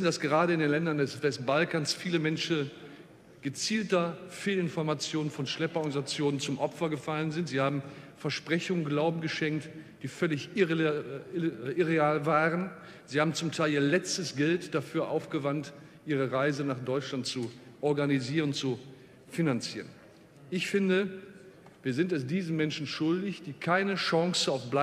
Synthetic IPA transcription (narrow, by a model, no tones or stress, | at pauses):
sn̩dasɡ̥əʁaːɾəɪndeːnlɛndɐndɛsvɛst̚b̥alkaːnsfiːləmɛnʃn̩ | ɡ̥ət͡siːltɐfeːlɪnfɔɐmat͡sjoːnənfɔnʃlɛpɐɔʁɡanizat͡sjoːnənt͡sʊmʔɔpfɐɡəfalənzɪntz̥iːhaːbm̩fɛɐʃpʁ̥ɛçʊŋənɡlaʊbm̩ɡəʃɛŋk̚td̥iːfœlɪç | ʔɪʁeaːlvaːʁən | ziːhaːbm̩t͡sʊmtʰaɪliːɐlɛt͡stəsɡ̥ɛltd̥afyːɐʔaʊfɡ̥əvant | ʔiːʁəʁaɪzənaːχd̥ɔʏt͡ʃlantt͡suʔɔɐɡaniziːʁənʊntt͡su | finant͡siːʁən | ʔɪçfɪndə | viːɐzɪntɛs̬d̥iːzəmɛnʃn̩ʃʊldɪçd̥iːkʰaɪnəʃɑŋsəaʊfb̥la